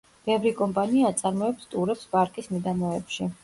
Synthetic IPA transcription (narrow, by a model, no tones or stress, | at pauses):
b̥ɛvɾikʼɔmpʼaniaːt̪sʼaɾmɔɛpst̪ʼuɾɛpspʼaɾkʼismid̪anɔɛpʃi